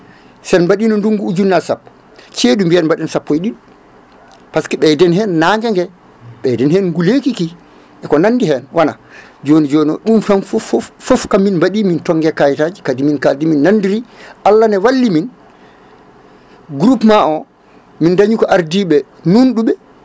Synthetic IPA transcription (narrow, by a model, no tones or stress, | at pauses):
sɛnbaɗiːnɔnduŋɡuːd͡ʒunːasapːɔ̥ | t͡ʃeːdumbianmbaɗɛnsapːɔjɗin | paskiɓɛdɛnhɛnːaŋɡɛŋɡɛ | ɓɛdɛnhɛnŋɡulekiki | ʔɛkɔnanːdiɦɛnwana̰ | d͡ʒoːnid͡ʒoːnɔ̰ɗumfanfffɔfkamːinmbaɗiːmintɔŋɡɛkajtaːd͡ʒikadiminkadiminːandiɾiʔalːanɛwalːimin | ɡuɾupmaʔɔ | mindaɲukɔʔaɾdiɓɛ | nunɗuɓɛ